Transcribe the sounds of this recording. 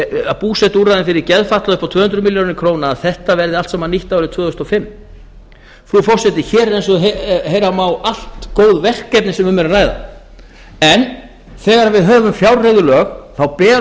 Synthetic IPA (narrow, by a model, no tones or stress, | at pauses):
apuːsɛt̪uɾrajðɪnfɪɾɪɾcɛðfat̪laðʏhpːawt̪ʰvœːhʏnt̪ɾʏmiljownɪɾkʰɾownaːðθɛht̪avɛɾðɪalt̪sɛmaniht̪awɾɪt̪ʰvœːʏst̪ɔfɪmː | fɾufɔr̥sɛt̪ɪçɛːɾɛɾejnsɔɦejɾamaːwal̥t̪koːwðvɛr̥kːɛpnɪsɛmvʏmɛɾaraːjða̰ | ɛn | θɛːɣaɾavɪðɦœːvʏmfjawɾreðʏlœːɣθawpɛː